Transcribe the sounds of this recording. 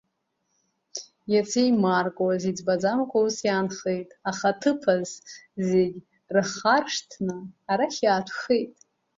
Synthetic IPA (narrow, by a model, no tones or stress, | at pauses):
jat͡sʰejmarkʼwazid͡zbad͡zamkʷʰʼawusjaːnχejtʼaχatʰɨpʰazzeɡʲ | rɨχarʂtʰnɨːɾaχʲaːtʷʰχejtʼ